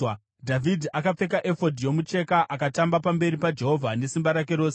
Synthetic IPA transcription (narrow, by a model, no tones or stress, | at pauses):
dʱavʱidʱiakap͡fe̞kaʔe̞fo̞dʱijo̞mut͡ʃe̞kaʔakatambapambe̞ɾipad͡ʒe̞ɦo̞vʱane̞simbaɾakeɾo̞ːse